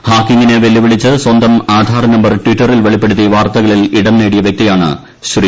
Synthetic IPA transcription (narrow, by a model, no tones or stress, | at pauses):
haːkːiŋɡineʋelːiʋiɭit͡ɕːɨswɐnd̪ɐmaːd̪ʱaːɾɐnɐmbɐrʈʋiʈːɐrilʋeɭipːe̞ɽut̪ːiʋaːrt̪ɐɣɐɭiliɽɐnːeːɽijɐʋjɐk̚t̪ijaːɳɨ̰ | ɕri